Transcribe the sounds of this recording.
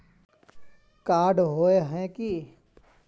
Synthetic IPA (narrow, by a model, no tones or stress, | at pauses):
kaːɾɖɦoːeɦɛ̃kiː